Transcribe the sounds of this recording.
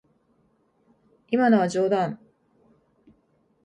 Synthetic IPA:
imanoβad͡ʑo̞ːd̪ãn

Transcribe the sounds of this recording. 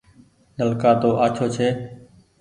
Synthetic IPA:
nəlkaːt̪oːʔaːt͡ʃʰoːt͡ʃʰeː

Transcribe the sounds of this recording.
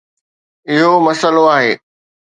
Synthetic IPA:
ɪɦomɐsəloaːɦeː

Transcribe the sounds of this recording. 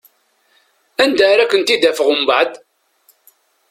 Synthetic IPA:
ænd̪əɾækʷːənt̪id̪æfəʁəmbaʕd̪

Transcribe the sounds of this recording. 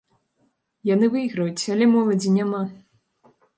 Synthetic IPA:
janɨvɨiɣɾɐjut͡sʲɐlʲɛmɔlˠɐd͡zʲinʲama

